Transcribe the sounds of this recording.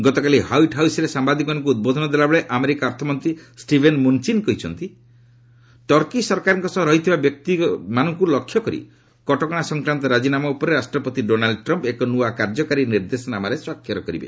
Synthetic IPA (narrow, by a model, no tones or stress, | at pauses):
ɡɔt̪ɔkalihawiʈɦawsɾesambad̪ikmanɔ̃ŋk̬uːd̪̚bod̪ʱɔnɔd̪elabeɭeʔameɾikaɔɾt̪ʰɔmɔnt̪ɾisʈibʱenmunt͡ʃinkɔɦit͡ʃʰɔnt̪i | ʈɔɾkisɔɾkaɾɔŋkɔsɔɾɔɦit̪ʰibabjɔk̚t̪imanɔŋkulɔkʰjɔkɔɾḭ | kɔʈɔkɔɽ̃asɔŋkɾant̪ɔɾad͡ʒinamaupɔɾeɾasʈɾɔpɔt̪iɖonalɖɔʈɾɔmpekɔnuakaɾd͡ʒɔkaɾiniɾd̪esɔnamaɾeswakʰːjɔɾɔkɔɾḭbḛ